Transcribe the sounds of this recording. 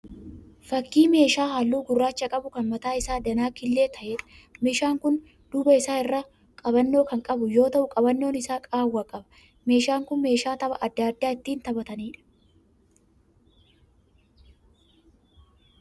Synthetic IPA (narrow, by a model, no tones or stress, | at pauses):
fɐkːiːme̞ːʃaːɦalːuːɡʊrːaːt͡ʃːɐkʼɐbʊkɐnmɐt̪aːɪsaːd̪ɐnaːkɪlːe̞ːt̪ʰɐʔeᶑɐ̥meːʃaːŋkʊn | d̪̥ʊbɐɪsaːɪrːaː | kʼɐbɐnːo̞ːkɐŋkʼɐbʊjo̞ːt̪ɐʔʊkʼɐbɐnːo̞ːnɪsaːkʼaːwːɐkʼɐbɐ̥ | me̞ːʃaːŋkʊnme̞ːʃaːt̪ɐbɐʔɐd̪ːaːd̪ːaːɪt̪ːiːnt̪ɐbɐt̪ɐniːᶑɐ̥